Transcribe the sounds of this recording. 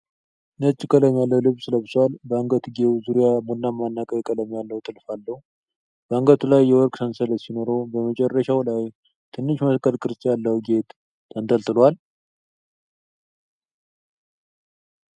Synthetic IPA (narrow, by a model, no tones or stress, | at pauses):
nət͡ʃʼːɪkʼələmjalːəwlɨβsɨləβswalbəŋɡət̪ɡewzuɾijamunːamanːakʼəkkʼələmjalːəwt̪ʼɨlfalːəhu | b̥əɨŋɡət̪ʰulajːɛwɔɾkʼsʰənsələt̪sinoɾo̞bəmət͡ʃʼɛrːəʃawlaj | t̪ʰɨnːɨʃməskʼəlkʼɨɾsʼjalːəwuɡe̞t̪ | t̪ːʰənt̪ʰʼəlt̪ɨlwal